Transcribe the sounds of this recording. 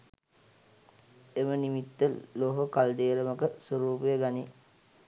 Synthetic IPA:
emənimit̪ːəloɦokald̪eːɾəməkəsoɾuːpəjəɡani

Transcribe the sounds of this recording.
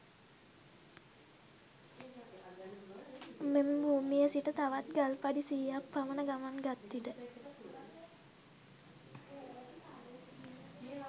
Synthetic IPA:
membuːmijəsiʈət̪aʋat̪̚ɡalpaɖisijapːamənəɡamaŋɡat̪ːiʈə

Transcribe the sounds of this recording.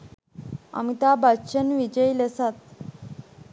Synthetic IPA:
ə̰mit̪abaɕənʋid͡ʑəjləsat̪̚

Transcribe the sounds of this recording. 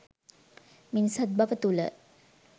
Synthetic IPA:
minisat̪̚baʋət̪ulə̰

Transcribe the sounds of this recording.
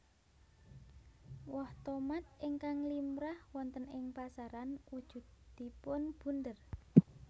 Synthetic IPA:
wɔht̪omat̪̚ɪŋkaŋlimɾahwɔnt̪ənɪŋpasaɾanud̥ʒ̥ṳd̪̚d̪̥i̤pʊnb̥ṳnd̪ər

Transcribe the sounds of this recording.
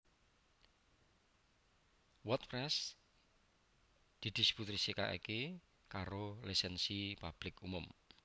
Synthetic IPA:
wɔt̪̚pɾɛs | d̪̥i̤d̪̥i̤sput̪ɾisika̰ʔḭke | kaɾolisɛnsipab̥lɪkumʊm

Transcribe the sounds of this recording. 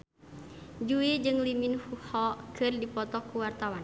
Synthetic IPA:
d͡ʒuid͡ʒɨŋliminfuhɔkɨrdipɔt̪ɔkːuwart̪awan

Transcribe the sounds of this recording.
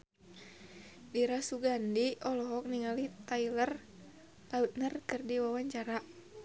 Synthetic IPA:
diɾasuɡandiɔlɔɦɔk̚niŋalit̪ailər | laut̪̚nərkɨrdiwawaɲt͡ʃaɾaʔ

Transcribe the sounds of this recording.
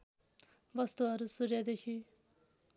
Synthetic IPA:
bʌst̪uɦʌɾusuɾjʌd̪ekʰi

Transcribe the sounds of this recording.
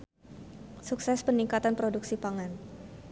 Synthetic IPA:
suksɛspəniŋkat̪anpɾoduksipaŋan

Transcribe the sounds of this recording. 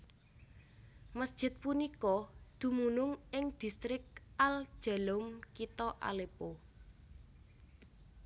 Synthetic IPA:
məsd̥ʒ̥ɪ̤t̪̚punikɔd̪̥ṳmunʊŋɪŋd̪̥i̤st̪ɾɪk̚al̥ʒ̥a̤lomkit̪ɔʔa̰lepo

